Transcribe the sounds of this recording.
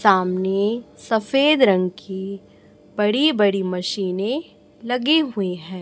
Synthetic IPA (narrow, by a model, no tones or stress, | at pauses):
saːmnesɐfeːd̪ɾɐ̃ŋɡkʰi | bɐɽibɐɽimɐʃiːnẽ | lɐɡeɦʊeɦɛ̃ː